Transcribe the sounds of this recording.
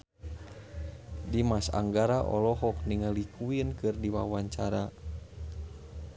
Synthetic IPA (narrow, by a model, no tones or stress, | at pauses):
dimasa̰ŋɡaɾaʔɔ̰lɔɦɔk̚niŋəlikʰuinkɨrdiwa̰waɲt͡ʃaɾa